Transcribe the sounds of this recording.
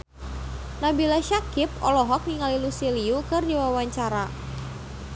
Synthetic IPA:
nabilaʃakɪp̚ɔlɔɦɔk̚niŋalilusiliukɨrdiwawaɲt͡ʃaɾa

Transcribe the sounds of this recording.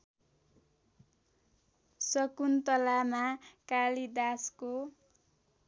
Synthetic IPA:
sʌkunt̪ʌlamakalid̪asko

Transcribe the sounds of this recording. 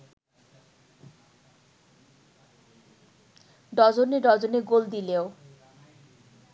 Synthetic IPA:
ɖɔd͡ʑoneɖɔd͡ʑoneɡold̪ileo

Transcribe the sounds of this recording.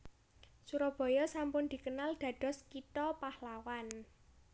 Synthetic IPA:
suɾɔb̥ɔ̤jɔsampʊnd̪̥i̤kənald̪̥ä̤d̪̥ɔ̤skit̪ɔpahlawan

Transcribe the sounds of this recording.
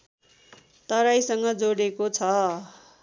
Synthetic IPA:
t̪ʌɾajsʌŋɡʌd͡zoɽekot͡sʰʌ

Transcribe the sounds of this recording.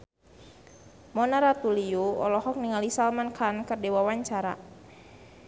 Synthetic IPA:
mɔnaɾat̪uliuɔlɔhɔk̚niŋalisalmankʰankərdewawaɲt͡ʃaɾa̰

